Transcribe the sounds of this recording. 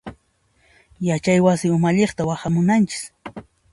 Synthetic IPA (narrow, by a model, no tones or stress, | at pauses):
jat͡ʃajwasɪʊmaʎeχt̪awaχamʊnant͡ʃɪ̥s